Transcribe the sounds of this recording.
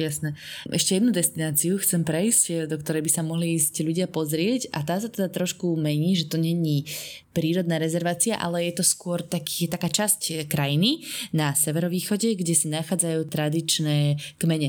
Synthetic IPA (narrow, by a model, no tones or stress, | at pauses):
jasnɛɛʃcɛjɛd̪nud̪ɛst̪inaːt͡siuxt͡sɛmpɾɛjscd̪ɔkt̪ɔɾɛjbisamɔɦliiːscʎuɟɪapɔzɾɪɛcʔa̰t̪aːsat̪ɛd̪at̪ɾɔʃkumɛɲiːʒɛt̪ɔɲɛɲiːpɾiːɾɔd̪naːɾɛzɛɾʋaːt͡siaʔa̰lɛjɛt̪ɔskʊɔɾt̪akːɛt̪akaːt͡ʃasckɾajininasɛʋɛɾɔʋiːxɔɟɛɡɟɛsanaxaːd͡zajuːt̪ɾad̪it͡ʃnɛːkmɛɲɛ